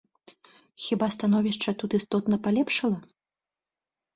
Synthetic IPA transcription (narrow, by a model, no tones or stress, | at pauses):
xʲibast̪anɔvʲiʂt͡ʂɐt̪ut̪ɨst̪ɔt̪nɐpalʲɛpʂɐlˠɐ